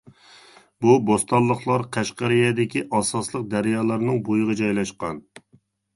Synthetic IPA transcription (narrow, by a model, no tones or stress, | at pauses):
bubost̪ɑlˠːəχlˠɑɾqʰæʃqɑɾijɛd̪ɪkʲiʔɑsɑslˠəq̚d̪æɾjɑːlˠɑɾnɨŋbojʁɑd͡ʒɑjlˠɑʃqɑn